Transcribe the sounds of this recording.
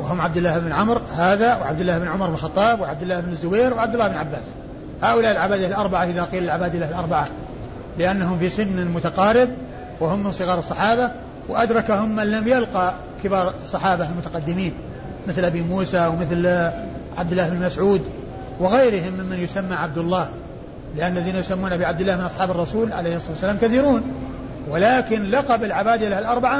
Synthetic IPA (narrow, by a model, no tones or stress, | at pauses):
wɪɦʊmʕab̚d̪ɪlːaːhɪbnʕʊmɾhaːðawɪʕab̚d̪ɪlːaːhɪbnʕʊmɑɾˤbɪnxɑt̪ˤːɑːbwɪʕab̚d̪ɪlːaːhɪbnɪzːʊbeːɾwɪʕab̚d̪ɪlːaːhɪbnʕabːaːs | haːʔʊlaːʔɪlʕɪbaːd̪ɪjalʔɑɾˤbaʕaʔɪðaqiːlɪlʕɪbaːd̪ɪjːalʔɑɾˤbaʕa | lɪʔanːaɦʊmfisɪnːmʊt̪aqɑːɾɪb̚ | wɪhʊmːɪnsˤɨɣɑːɾˤɨsˤːɑħɑːba | wɪʔad̪ɾˤɑkahʊmːanlamjalqɑ | kɪbɑːɾˤsˤːɑħɑːbalmʊt̪aqɑd̪ːɪmiːn | mɪθlʔabiːmuːsawmɪθlʕabd̪ɪlːaːhbnɪlmasʕuːd̪ | wɪɣajɾɪhɪmːɪmːanjʊsamːaʕab̚d̪ʊlˤːɑːh | lɪʔanːalːaðiːnajʊsamːuːnʔabiʕab̚d̪ɪlːaːhmɪnʔɑsˤħɑːbɑrˤːɑsuːlʕa̰lejhsˤːɑsːalaːmkaθiːɾuːn | wɪlaːkɪnlɑqɑbɪlʕɪbaːd̪ilahɪlʔɑɾˤbaʕa